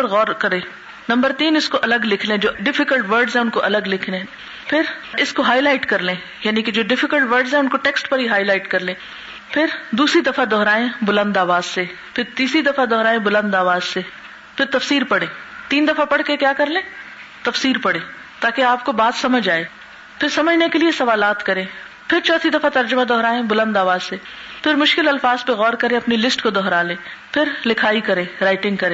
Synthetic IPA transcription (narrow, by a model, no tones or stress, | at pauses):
ɾɣɔːɾkɐɾẽː | nɐ̃mbəɾt̪iːnɪskoʔɐləɡlɪkʰlẽd͡ʒoːɖɪfɪkəlʈʋəɾɖzɦɛ̃ʊnkoʔɐləɡlɪkʰlẽ | pʰɪɾɪskoɦaːilaːɪʈkɐɾlẽː | jaːniked͡ʒoːɖɪfɪkəlʈʋəɾɖzɦɛ̃ʊnkoʈɛːksʈpɐɾɦiɦaːilaːɪʈkɐɾlẽː | pʰɪɾd̪uːsɾid̪ɐfad̪ɔːɾaːẽbʊlə̃nd̪aːʋaːzse | pʰɪɾt̪iːsɾid̪ɐfad̪ɔːɾaːẽbʊlə̃nd̪aːʋaːzse | pʰɪɾt̪ɐfsiːɾpɐɽẽːt̪iːnd̪ɐfapɐɽ̤kekjaːkɐɾlẽː | t̪ɐfsiːɾpɐɽ̤ẽː | t̪aːkeaːp̚kobaːt̪sɐməd͡ʒaːeː | pʰɪɾsɐməd͡ʒʱnekeliesɐʋaːlaːt̪kɐɾẽː | pʰɪɾt͡ʃɔːt̪ʰid̪ɐfat̪ɐɾd͡ʒʊmad̪ɔɦɾaːẽbʊlə̃nd̪aːʋaːzse | pʰɪɾmʊʃkɪlɐlfaːzpeɣɔːɾkɐɾẽɐpnilɪsʈkod̪ɔɦɾalẽː | pʰɪɾlɪkʰaːikɐɾẽːɾaːɪʈɪ̃ŋɡ̚kɐɾẽː